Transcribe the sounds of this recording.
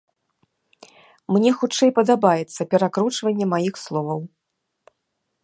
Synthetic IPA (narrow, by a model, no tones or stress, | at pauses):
mnʲɛxut͡ʂɛjpɐd̪abajɛt̪sːɐpʲɛɾakɾut͡ʂvɐnʲːɛmajixslˠɔvɐw